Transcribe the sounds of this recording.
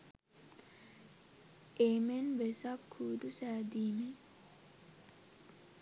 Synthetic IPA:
ʔeːmenʋesakʰːuːd̪usæːd̪iːme

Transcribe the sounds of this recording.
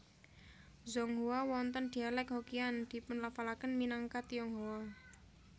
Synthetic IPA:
zɔŋɦuawɔnt̪ənd̪̥i̤alɛkɦokiand̪̥i̤pʊnlafalakənminaŋkat̪iɔŋɦoa

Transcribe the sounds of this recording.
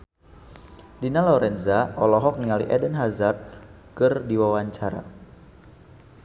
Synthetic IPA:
dinalɔɾɛnzaɔlɔɦɔk̚niŋaliʔɛdənɦazat̪̚ | kɨrdiwawaɲt͡ʃaɾa̰

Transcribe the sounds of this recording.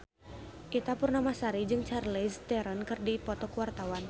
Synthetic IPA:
ʔit̪apʊrnamasaɾid͡ʒɨŋt͡ʃarlest̪ɛɾənkɨrdipɔt̪ɔkəwart̪awan

